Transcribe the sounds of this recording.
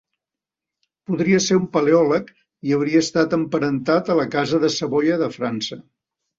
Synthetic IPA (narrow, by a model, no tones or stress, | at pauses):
puðɾiəseɾumpəleɔlək | iəwɾiəːst̪at̪əmpəɾənt̪at̪ələkazəðəsəβojəðəfɾansə